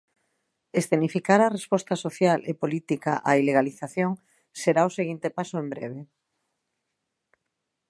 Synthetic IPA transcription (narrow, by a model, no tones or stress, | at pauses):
est̪enifikaɾarespɔst̪asoθjalʔepolit̪ika̰ʔaileɣaliθaθjoŋ | seɾaoseɣint̪epasoembɾḛβ̞e